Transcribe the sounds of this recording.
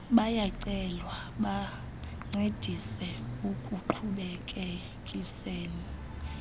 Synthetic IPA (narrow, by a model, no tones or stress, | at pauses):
ɓajaǀɛlwa | ɓa | ŋ͡ǀʱed̥ʱisɛukʼuǃʰuɓɛkʼe | kʼiseːni